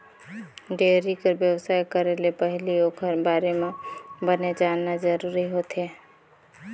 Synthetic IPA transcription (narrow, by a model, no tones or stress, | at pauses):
ɖeɾikəɾbjəwsaːjkəɾelepəɦɪliokʰəɾbaːɾemebəned͡ʒaːnːad͡ʒəɾuɾiɦot̪ɦe